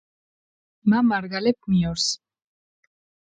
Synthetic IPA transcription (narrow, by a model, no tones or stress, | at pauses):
mamaɾɡalekmioɾs